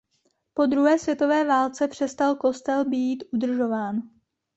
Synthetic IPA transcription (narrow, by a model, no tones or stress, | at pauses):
po̞d̪ɾuɦɛːsvjɛt̪o̞vɛːvaːlt͡sɛpr̥ɛst̪alko̞st̪ɛlbiːt̪ʔud̪r̩ʒo̞vaːn